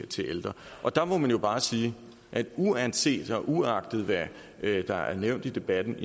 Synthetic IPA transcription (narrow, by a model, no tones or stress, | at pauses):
t͡sʰe̝ʔeld̥ʁɐʔɒ̽d̥ɑ̈mɒmænjo̝b̥ɑ̈ːsiː | ʔæd̥uænse̝̰ːd̥ɒ̽ʔuɑ̈ɡ̥̚d̥ð̞̩ˠʋæ | d̥ɑ̈æɐneʊ̰nd̥id̥e̝b̥æd̥n̩i